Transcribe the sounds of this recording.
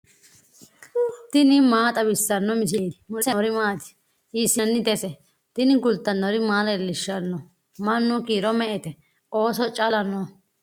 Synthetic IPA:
t̪ɪnɪmaːt̪ʼɐbɪsːɐnːɔmɪs̬eːd̪ɪmʊsɛɾɪmaːt̪ɪ̥ | ʔisːɪnːɪd̪ɛsɛ | t̪ɪnɪɡʊlt̪ːɐnːɔɾɪmaːlɐɛlːɪʃːɐnːɔ | mɐnːʊkiːɾɔmɛʔɛt̪ɛ | o̞ːsɔt͡ʃʼɐlɐnːɔ

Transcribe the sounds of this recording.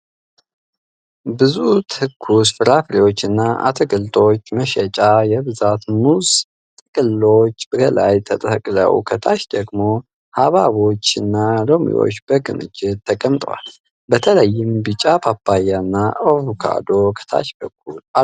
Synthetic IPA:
bɨzut̪ʰɨkʰːusfɨɾafɾewo̞t͡ʃːɨnːaʔa̰t̪ʰɨɡɨlt̪ʼo̞t͡ʃːməʃɛt͡ʃʼajɛβɨzat̪muz | t̪ʼɨkʼɨlːo̞t͡ʃːb̥ɨkʰəla̰jt̪ʰət̪ʼəkʼlə̰wkʰət̪ʰaʃd̪əɡmo̞ | haβaβo̞t͡ʃːɨnːaɾomḭjo̞̰t͡ʃːbəɡɨmɨ̰d͡ʒɪt̪ʰːəkʼəmt̪ʼwa̰l | bət̪ʰələjːɪmbɨt͡ʃʼapʰapːajanːaʔoβukʰa̰d̪o̞kʰə̥t̪ʰa̰ʃbəkʰːula

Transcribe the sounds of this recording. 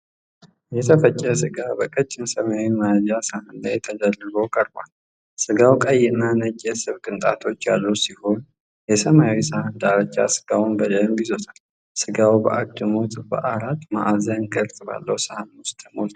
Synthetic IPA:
jɛt̪ʰəfət͡ʃʼːəsɨɡabəkʼət͡ʃʼːɪmsəmajawimad͡ʒasahɨnd̪ajɛt̪ʰəd͡ʒəlːɨbowkʼəɾba̰l | sɨɡawkʼəjːɪnːanəkʼːesɨβkʼɨnt̪ʼat̪ʰo̞t͡ʃːja̰lːuwsiho̞n | jɛsəmajawisahɨnd̪aɾət͡ʃʼːa̰sɨ̥ɡawunbəd̪əmbizot̪ʰal | sɨɡawbə̰ʔak̚t̪ʼɨmo̞t̪ʼbə̰ʔaɾat̪ma̰ʔazankʰəlt̪ʼba̰lːəwsahnʊst̪ʰmolt̪

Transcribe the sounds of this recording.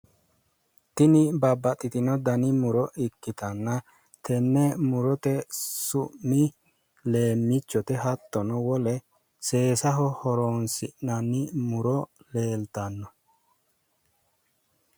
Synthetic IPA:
t̪ɪnɪbɐbːɐt̪ʼːɪt̪ɪnɔd̪ɐnɪmʊɾɔʔɪkːɪt̪ɐnːɐ | t̪ʰɛnːɛmʊɾɔt̪ɛsʊʔmːɪ | le̞ːmːɪt͡ʃːɔt̪ɛɦɐt̪ːɔnɔwɔlɛ | se̞ːsɐɦɔhɔɾoːnsɪʔnɐnːɪmʊɾɔle̞ːlt̪ɐnːɔ

